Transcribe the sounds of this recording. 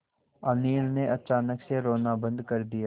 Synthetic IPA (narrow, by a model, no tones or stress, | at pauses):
əniːlneʔɐt͡ʃaːnəkseɾoːnabə̃nd̪kɐɾd̪ijaː